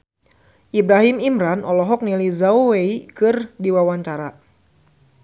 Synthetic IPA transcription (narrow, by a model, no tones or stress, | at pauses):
ʔibɾaɦimimɾanʔɔlɔɦɔk̚nilizauweikɨrdiwawaɲt͡ʃaɾa